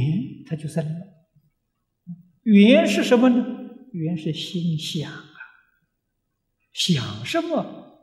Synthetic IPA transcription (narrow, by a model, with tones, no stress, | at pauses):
ɛ˧˥nt̪ʰa˥t͡ɕjo˥˧ʊsa˥˧˩na˧˩˧ | y˨˩ɛ˧˥nʂɻ̩˥˩ʂə˧˥nmə˧nə˧y˨˩jɛ˧˥nʂɻ̩˥˩ɕi˥n˧ɕjɑ˨˩ŋ˦ | ɕjɑ˨˩ŋʂə˧˥mə˧